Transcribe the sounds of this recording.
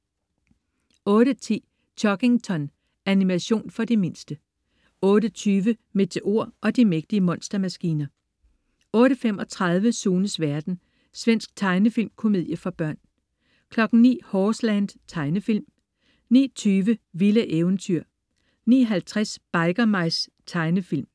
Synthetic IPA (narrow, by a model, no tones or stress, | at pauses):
ɔ̽ːɾət͡sʰḭː | t͡ɕʰɒ̽ɡ̥e̝ŋt͡sʰɒ̽n | ænimæɕo̝̰ːnfɒ̽d̥eme̝nsd̥ə | ɔ̽ːɾət͡sʰyːʋəme̝t͡sʰe̝ʔo̝ɐ̰ɒ̽d̥imeɡ̥̚d̥iəmɒ̽n̰sd̥ɐmæsɡ̥iːnɐ | ɔ̽ːɾəfem̰ɒ̽t͡sʰʁɑ̈ð̞ˠʋəsuːnəsʋæɐd̥n̩ | sʋen̰sɡ̥t͡sʰɑ̈ɪnəfilmkʰo̝me̝ð̰ˠjɐfʁɑ̈b̥ɶɐ̰n | kʰlɒ̽ɡ̥n̩nḭːhɒːslænd̥t͡sʰɑ̈ɪnəfil̰m | nḭːt͡sʰyːʋəʋiləʔeʊnt͡sʰyɐ̰ | nḭːɦælt͡sʰʁasb̥ɑ̈ɪɡ̥ɐmɑ̈ɪs | t͡sʰɑ̈ɪnəfil̰m